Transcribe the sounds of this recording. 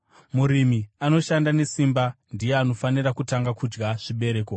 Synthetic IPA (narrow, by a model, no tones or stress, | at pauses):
muɾimiano̞ʃandane̞simba | ndijeano̞faniɾakutaŋɡakud͡ʒɡaʐ̥iɓe̞ɾe̞ːko